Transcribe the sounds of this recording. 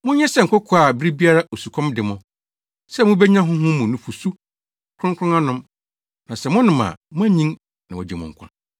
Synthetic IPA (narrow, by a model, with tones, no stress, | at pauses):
mʊ̃˦ɲɛ̃˦sɛ˦ŋ̩˨kʊ˦kʰʊ˨˦a˨bɾi˦bi˦a˦ɾa˦o˨su˨kʰɔ̃˦mdɪ˨mʊ̃˦ | sɛ˦˨mʊ̃˦bɛ˦ɲã˦ɦʊ̃˦ɦʊ̃˦mũ˨nʊ̃˨fu˨su˦ | kʰɾʊ̃˦ŋkʰɾʊ̃˦na˦nʊ̃˦m | nã˨sɛ˨mʊ̃˦nʊ̃˨mã̰˨mʊ̃˦æ˦ɲĩ˦ŋ | nã˨ɔ̰˨d͡ʑɛ˨mʊ̰̃˨ŋ̩˨kʰʊ̰̃˦n